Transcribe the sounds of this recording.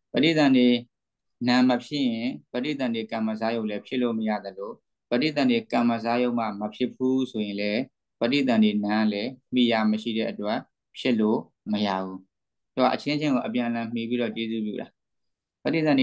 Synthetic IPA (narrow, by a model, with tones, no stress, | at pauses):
pə˦dḭ˦˨t̪ã˨nde˨ | nã˨məpʰjɪ˦ʔjɪ̃˨bə˦i˦˨t̪ã˨nde˨kã˨mə˨z̬a˦jõ˦ʊ̃lɛ˦pʰjɪ˦lo˦˨məja̰˦˨d̪ə˨lo˨ | bə˦dḭ˦˨t̪ã˨nde˨kã˨mə˨z̬a˦jõ˦ʊ̃m̥a̰˦˨məpʰjɪ˦˨pʰu˦sʰo˨jɪ̃˨lɛ˦ | pə˦tḭ˦˨t̪ã˨nde˨nã˨˦lɛ˦m̥i˨ja˦˨məʃḭ˦˨ɾɛ̰˦˨ʔətwɛ˦˨ʔ | pʰjɪ˦ʔlo˦˨ | məja̰˦˨bu˦ | do˨a̰˨ʔə˨t͡ɕʰɪ̃˦t͡ɕʰɪ̃˦˨ŋɡo˨ʔəpjã˨ʔə˨lã˨m̥i˨pi˦ɾɔ˦˨t͡ɕe˦zṵ˦˨pjṵ˦˨ɾa˨ | pə˦di˦˨t̪ã˨nd